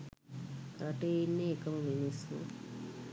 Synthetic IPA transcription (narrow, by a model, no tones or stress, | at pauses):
kɾaʈeinːeːkɐmɐminismṵ